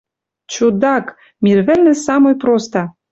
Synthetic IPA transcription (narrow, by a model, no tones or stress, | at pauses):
t͡ɕud̪ɑk | mʲirβɘ̆lʲnɘ̆sɑmojprost̪ɑ